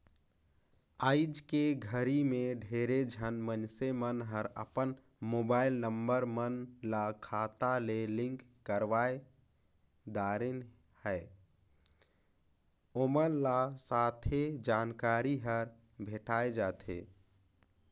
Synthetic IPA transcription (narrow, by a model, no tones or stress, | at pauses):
aːɪd͡ʒkeɡʱəɾimẽɖʱeɾed͡ʒʱənmənsemənɦəɾəpən | moːbaːɪlnəmbəɾmənlakʰat̪alelɪ̃ŋkːəɾʋae | d̪aɾen | həe | omənlasat̪ʰed͡ʒaːnkaɾiɦəɾ | bʱeʈaed͡ʒaːt̪ʰḛ